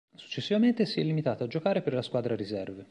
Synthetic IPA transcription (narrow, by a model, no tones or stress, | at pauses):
su̥t͡ʃːesːivament̪esiɛlːimit̪aːt̪oad͡ʒːokaːɾeperlaskwaːd̪ɾaɾizɛrve